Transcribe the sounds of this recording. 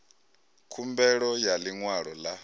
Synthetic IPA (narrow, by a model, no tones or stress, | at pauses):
kʰumbɛɺɔjaliŋwaɺɔla